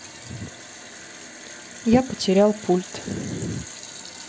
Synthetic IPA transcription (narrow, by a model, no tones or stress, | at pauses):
japətʲɪɾʲalˠpʰulʲt̪